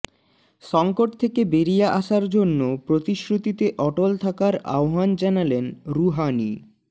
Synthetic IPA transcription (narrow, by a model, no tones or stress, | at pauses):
ʃɔŋkoʈ̚t̪ʰekebeɾijaʔaʃaɾd͡ʑonːopɾot̪iʃɾut̪it̪eʔɔʈolt̪ʰakaɾa̰oɦand͡ʑanalenɾuɦanḭ